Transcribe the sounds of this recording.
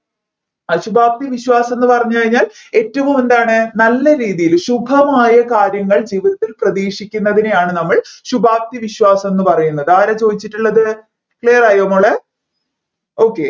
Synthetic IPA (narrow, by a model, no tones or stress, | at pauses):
aɕubʱaːk̚t̪iʋiɕwaːsɐme̞nːɨpɐrɐɲːukɐɻiɲːaːle̞ːtːɐʋume̞nd̪aːɳɨnɐlːɐɾiːðijilɕubʱɐmaːjɐkaːɾjɐŋːɐɭd͡ʑiːʋiðɐt̪ːilprɐðiːʂikʲːunːɐðinejaːɳɨnɐmːɐɭɕubʱaːk̚t̪iʋiɕwaːsɐme̞nːɨpɐrɐjunːɐðɨaːɾɐt͡ɕo̞ːðit͡ɕːiʈːuɭːɐðɨ | kɭiːɐraːjoːmoːɭe | o̞ːkːe̞